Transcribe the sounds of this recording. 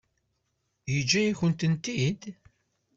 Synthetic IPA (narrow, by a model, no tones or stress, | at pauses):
jəd͡ʒːæjiçənt̪ənt̪id̪